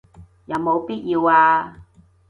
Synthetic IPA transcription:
jɐ˨wmo˨˧wpiː˥t̚jiː˧waː˧

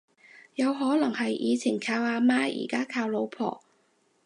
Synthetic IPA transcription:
jɐ˨˧wɦɔː˨˥lɐ˨˩ŋhɐ˨jʔḭː˨˧t͡sʰi˨˩nkʰaː˧whaː˨˧maː˥ḭː˨˩kaː˥kʰaː˧wlo˨˧wpʰɔ̰ː˨˩

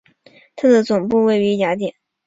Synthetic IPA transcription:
t̪ʰa˥˩d̪ə˨t͡sʊ˨˩ŋpu˥˩˧we˥˩ɪy˧˥ja˧˥t̪jɛ˨˩˦n

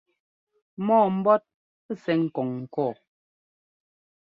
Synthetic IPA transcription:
mɔː˦˨m̩˦bɔ˦t̚ | ə˦˨sɛ˨ŋ̩˨kɔ˨ŋ̩ː˨kɔː˦˨

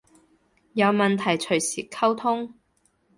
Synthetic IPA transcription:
jɐ˨˧wmɐ˨nt̪ʰɐ˨˩jt͡ʃʰɵ˨˩ɥsiː˨˩kʰɐ˥wt̪ʰʊ˥ŋ

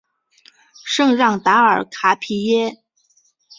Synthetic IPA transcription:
ʂɤ˥˧ŋɻɑ˥˩ŋt̪a˧˥ə˞˨˩kʰa˧˥pʰi˧˥jɛ˥

